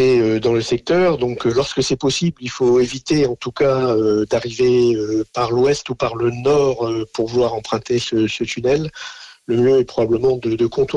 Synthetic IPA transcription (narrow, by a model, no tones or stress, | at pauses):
ɛød̪ɑ̃ləsɛk̚t̪œʁd̪ɔ̃klɔʁskəsɛpɔsiblilfoevit̪eɑ̃t̪ukaød̪aʁiveøpaʁlwɛst̪upaʁlənɔʁøpuʁvulwaʁɑ̃pχɛ̃t̪esəsət̪ynɛlːəmjøɛpχɔbabləmɑ̃d̪əd̪əkʰɔ̃t̪u